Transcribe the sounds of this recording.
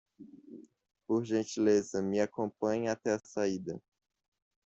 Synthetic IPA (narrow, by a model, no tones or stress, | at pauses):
poɾʒẽnt͡ʃilezɐmɪakõpɐ̃ɲat̪ɛɐsaid̪ɐ